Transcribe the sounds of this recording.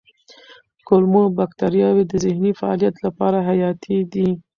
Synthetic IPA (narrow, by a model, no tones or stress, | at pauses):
kolmobakt̪aɾjɑwed̪əzɪhnifaɑ̰lijat̪lapɑɾaɦajɑt̪ʰid̪i